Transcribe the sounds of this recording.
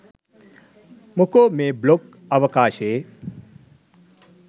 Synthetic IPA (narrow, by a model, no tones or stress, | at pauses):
mukomeːblok | ɐʋɐkaːʃeː